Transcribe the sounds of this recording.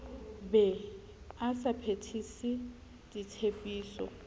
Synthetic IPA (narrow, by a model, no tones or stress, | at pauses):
bɛ | asapʰetʰisi | ditʰepʼiːsɔ̰